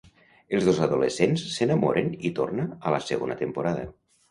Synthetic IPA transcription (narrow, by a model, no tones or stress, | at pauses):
elˠzðozaðulesensːenamoɾʔenit̪o̰rnaːləsəɣonət̪əmpuɾað̞ə̰